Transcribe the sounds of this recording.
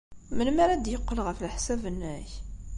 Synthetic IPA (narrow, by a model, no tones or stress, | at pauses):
mənmæɾæd̪jəqːəlʁəflħsævənːæç